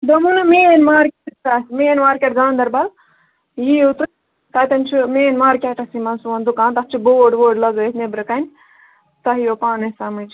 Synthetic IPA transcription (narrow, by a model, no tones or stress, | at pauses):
d̪ɐmunɐmiːenʲmaːɾkʲetasimienmaːɾkʲeʈɡãːnd̪ɐɾbɐl | jiut̪u | t̪ɐt̪ʲɐnt͡ʃʰimeːnʲmaːɾkʲeʈɐsimɐnsuʋɐnd̪ukaːnt̪ɐs̚t͡ʃʰiboːɖʋoːɖlɐɡəsnebɾɐkɐnʲ | t̪ɐɦijopaːnɐsɐmɨt͡ʃ